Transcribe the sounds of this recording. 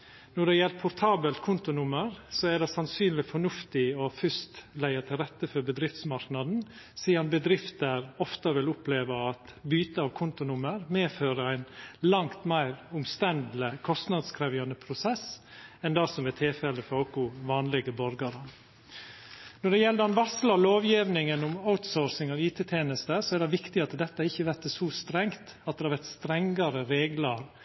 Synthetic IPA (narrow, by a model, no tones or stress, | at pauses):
nɔɖɛjɛlpʰʊɾt̪ʰɑːbəlt̪̚kʰʊnt̪ʊnʊməɾsɔæɖɛsɑnsyːnlɪfɔɳʉft̪ɪɔfʏst̪læɪət̪ʰɪlɾɛt̪ːəfɔɾbəd̪ɾɪft̪smɑɾknɑd̪n̩ | siːɑnbəd̪ɾɪft̪əɾɔft̪əʋɪlʊpleːʋəɑt̪byːt̪əɑːʋkʰʊnt̪ʊnʊməɾmeːføːɾəæɪnlɑŋt̪mæɪɾʊmst̪ɛnd̪l̩ɪkʰɔst̪nɑd̪skʰɾɛʋjɪɑnəpʰɾʊsɛsɛnd̪ɑsɔmɛt̪ʰɪfɛləfɔɾokʊʋɑːnlɪɡəbɔɾɡɑɾə | nɔɖɛjɛld̪əɑnʋɑslɑloːʋjiʋnɪŋənʊmaʊt̪soːɾsɪŋɑʋiːt̪ʰeːt̪ʰjeːnəst̪əsɔɛɾɖɛʋɪkt̪ɪɑt̪əd̪ɛt̪ːəɪçːəʋæɾt̪əsɔst̪ɾɛŋt̪ɑt̪̚d̪ɛhɑɾʋɛɾt̪st̪ɾɛŋɡɑɾəɾeːɡlɑɾ